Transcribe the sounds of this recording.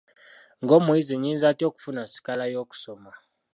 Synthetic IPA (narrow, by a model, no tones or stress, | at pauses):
ŋɡomuiziɲinzatoku̥funasi̥kalajoku̥sɔma